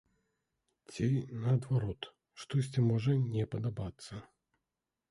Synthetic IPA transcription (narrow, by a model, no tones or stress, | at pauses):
t͡sʲinɐɐd̪vaɾɔt̪ | ʂt̪ɔs̬ʲt͡sʲimɔʐɐnʲɛpɐd̪abat̪sːɐ